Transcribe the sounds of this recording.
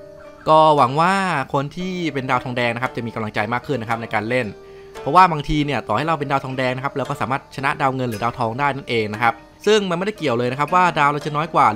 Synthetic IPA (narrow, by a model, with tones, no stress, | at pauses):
kɔː˥˩wa˩˦ŋwaː˥˩kʰo˧nt̪ʰiː˥˩pe˧ndaː˧wt̪ʰɔː˧ŋdɛː˧ŋna˦˥kʰa˦˥p̚t͡ɕa˨˩miː˧ka˧mla˧ŋt͡ɕa˧jmaː˥˩kʰːɯ˥˩nːa˦˥kʰa˦˥na˧jkaː˧nle˥˩n | pʰɔ˦˥waː˥˩baː˧ŋt̪ʰiː˧ni˥˩ɐt̪ɔː˨˩ha˥˩jɾa˧wp̬e˧ndaː˧wt̪ʰɔː˧ŋdɛː˧ŋna˦˥kʰa˦˥p̚lɛː˦˥wkɔː˥˩saː˨˦maː˥˩t̪̚t͡ɕʰa˧na˦˥ʔdaː˧wŋɤ˧nlɾɯː˩˦daː˧wt̪ʰɔː˧ŋdaː˥˩jna˥˩nʔeː˧ŋna˦˥kʰa˦˥p̚ | sɯ˥˩ŋma˧na˥˩da˥˩ki˨˩əwlɤː˧jna˦˥kʰa˦˥p̚waː˥˩daː˧wɾa˧wt͡ɕa˨˩˨nɔː˦˥jkwaː˨˩